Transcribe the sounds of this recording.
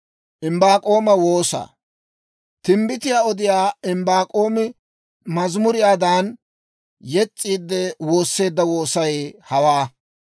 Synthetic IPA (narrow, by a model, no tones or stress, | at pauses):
ʔɪmbaːkʼo̞ːmɐwo̞ːsɐ̰ | t̪ɪmbɪt̪ɪjaːɔd̪ɪjaːɪmbaːkʼo̞ːmɪ | mɐzmʊɾɪjaːd̪aːn | jɛt͡sʼːiːd̪ːɛwo̞ːsːe̞ːd̪ːɐwo̞ːsɐjhɐwaː